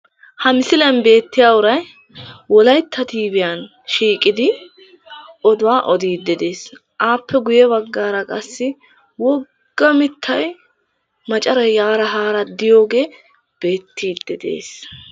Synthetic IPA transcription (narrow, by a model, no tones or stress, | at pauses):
hɐmɪsɪlɐɐnbe̞ːt̪ːɪjaːwʊɾɐj | wɔlɐjt̪ʰːɐt̪iːbɪjan | ʃiːkʼːɪd̪ɪ | ɔd̪ʊwaːʔɔd̪iːd̪ːɛd̪e̞ːs | ʔaːpʰːɛɡʊjɛβɐɡːaːɾɐkʼɐsːɪ | wɔ | ɡ̥ːɐmɪt̪ʰːɐj | mɐt͡ʃʼɐɾɐjjaːɾɐɦaːɾɐd̪ɪjo̞ːɡe̞ː | b̥e̞ːt̪ːiːd̪ːɛd̪ḛːs